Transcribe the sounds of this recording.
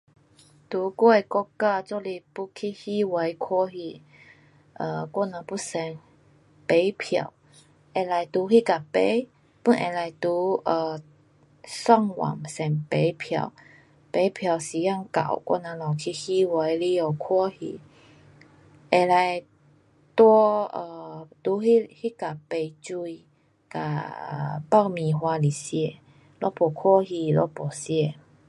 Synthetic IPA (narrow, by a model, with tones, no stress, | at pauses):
t̪u˨˧˦kɔ˦e˨˩kɔ˦˧kkːa˥˧t͡sɔ˧li˧pu˦kʰi˧hi˦we˨˧˦jkʰwɔ˦hi˧ | ʔə˧˩kwɔ˥˧˨nã˨˧˦pu˦˥sɛ˨˩ŋ | pe˨˦jpʰja̰˨˩w | ʔe˨la˨˩jt̪u˨˦hi˦˧ka˨˩pe˧˦j | pu˧˦nʔɛ̰̃˨˩la˨˩jt̪u˧˦ʔə˧ | swa˥˧ŋwa̰˨˩ŋsɛ˨˩ŋpe˨˦jpʰja̰˨˩w | pe˨˦pʰja˨wsi˨˩ja˥˧˨ŋka̰˨˦wkʔa̰˧˦nã˧la˨˩kʰi˧hi˦wa˧˦jli˦o˨kʰɔ˧˦hi˧ | ʔe˨˩la˧j | t̪wɔ˧˦ə˧t̪u˧˦hi˦hi˦ka˨˩pe˨jt͡ɕu˧i˧ | ka̰˨˩˨ | pa˥˨wmĩ˨ɦwa˧li˨sje˧ | lɔ˦pɔ˨˩kʰɔ˥˦hi˧lɔ̰˧˦pɔ˨˩sje˧˨